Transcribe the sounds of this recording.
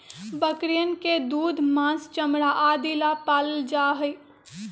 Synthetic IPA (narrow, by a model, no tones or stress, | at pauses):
bəkɾijənked̪uːd̪mãːst͡ʃəmɽaʔaːd̪ilapaːləld͡ʒaːɦəi